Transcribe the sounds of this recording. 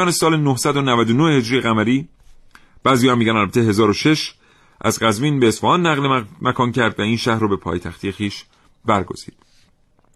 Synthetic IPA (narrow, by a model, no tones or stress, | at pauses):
ɒːnesɒːlenohsæd̪o̞nævæd̪onoʔehe̞d͡ʒɾijeɣæmæɾiː | b̥æːzijɒhæmːiɟænælbæt̪ʰeɦe̞zɒːɾoʃe̞ʃ | ʔæzɢæzmiːnbeːsfɒhɒːnːæɣlemækʰɒːncʰæɾd̪væiːnʃæhɾoːbe̞pʰɒ̰ːjt̪ʰæxt̪ʰijexiːʃ | bæɾɡo̞̰z̥ḭːd̪̥̚